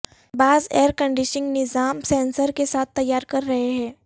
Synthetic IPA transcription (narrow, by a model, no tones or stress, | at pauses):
baːzeːəɾkə̃ɳɖɪʃɪ̃ŋɡnɪzaːmsɛ̃ːnsəɾkesaːt̪ʰːɐjːaːɾkɐɾːɐɦeɦɛ̃ː